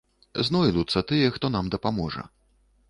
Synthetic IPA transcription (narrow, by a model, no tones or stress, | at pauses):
znɔjlut̪sːɐt̪ɨjɛxt̪ɔnamd̪ɐpamɔʐɐ̰